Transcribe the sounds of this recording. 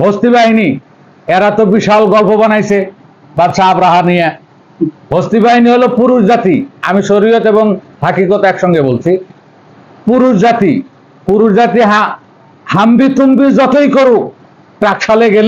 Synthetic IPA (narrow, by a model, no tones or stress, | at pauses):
bʱost̪iβaɦini | eɾat̪obiʃalɡɔlpobanajsʰe | baɾʃʰaːbɾaɦanija | bʱost̪ibaɦiniɦolopuɾuʃd͡ʑat̪ia̰miʃoɾijot̪eβoŋ | bʱakikot̪ɛkʃɔŋɡebolt͡ɕʰi | puɾuʃd͡ʑat̪ḭ | puɾuʃd͡ʑat̪iɦã | hambit̪umbid͡ʑɔt̪ojkoɾu | ʈɾakʃaleɡel